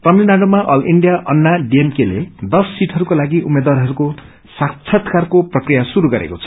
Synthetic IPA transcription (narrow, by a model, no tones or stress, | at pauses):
t̪ʌminaɖomaʔʌliɳɖijaʔʌnːaɖiemkelḛd̪ʌsːiʈʰʌɾukolaɡiʔumːed̪waɾɦʌɾuko | sakt͡sʰʌt̪ʰkarkoprʌkrijasuɾuɡʌɾḛkot͡sʰʌ̥